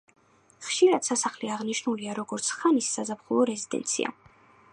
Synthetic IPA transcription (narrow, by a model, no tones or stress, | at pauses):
χʃiɾad̪̥sasaχliaʁniʃnuliaɾɔɡɔɾt̪sʰχanisːazapχulˠɔɾɛzid̪̥ɛ̰nt̪sʰḭa̰